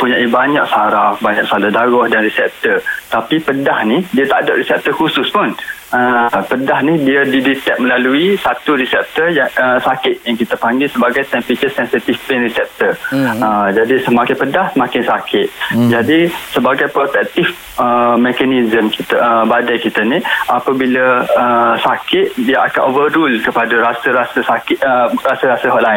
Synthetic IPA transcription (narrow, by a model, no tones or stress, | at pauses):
puɲaʔibaɲaksaɾafbaɲak̚saladaɡɔhdanrisɛp̚t̪ərt̪apipədahnidiat̪aʔdaʔɾisɛp̚t̪ərkusʊspʊnəpədahnidiadidit̪ɛk̚məlaluisat̪uɾisɛp̚t̪əjaəsakɪt̪̚jaŋkit̪apaŋɡɪlsəbaɡajt̪ɛnfikəsɛnsit̪ifpenrisɛp̚t̪ərəd͡ʒadisəmakɪpədahsəmãkɪnsakɪt̪̚d͡ʒadisəbaɡajpɾot̪ɛk̚t̪if | əmɛkanizəmkit̪abadajkit̪aniʔapabilaəsakɪt̪̚diaʔa̰kanʔovəɾulkəpadaɾasəɾasəsakɪərasəɾasəɦɔʔlaɪn